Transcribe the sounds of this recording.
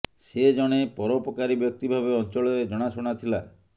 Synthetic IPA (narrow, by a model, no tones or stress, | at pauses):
sed͡ʒɔɽ̃epɔɾɔpɔkaɾibjɔk̚t̪ibʱabeɔnt͡ʃɔɭɔɾed͡ʒɔɽ̃asuɽ̃at̪ʰila